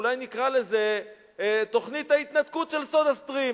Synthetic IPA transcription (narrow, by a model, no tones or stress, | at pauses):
lajnikʁale̞ze̞ | t̪o̞χnit̪hait̪nat̪kut̪ʃe̞lsod̪ast̪ʁi